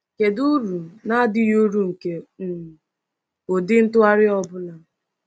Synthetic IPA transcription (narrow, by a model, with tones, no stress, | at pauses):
ke˨du˦ɾu˨na˦a˦dɪ˦jo˦ɾu˦ŋ̩˨ke˨˦˨ | o˨dɪ˦n̩˦tʊ˦a˦ɾɪ˦ɔ˦bʊ˦la˨